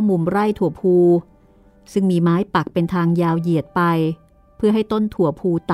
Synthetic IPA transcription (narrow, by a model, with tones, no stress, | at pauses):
mu˨˩mɾa˥˩jt̪ʰu˨˩˦əpʰuː˧ | sɯ˥˩ŋmiː˧maː˦˥jpa˨˩k̚pe˧nt̪ʰaː˧ŋjaː˧wji˨˩ət̪̚pa˧j | pʰɯ˥˩əɦa˥˩jt̪o˥˩nt̪ʰu˨˩˦əpʰuː˧t̪a˨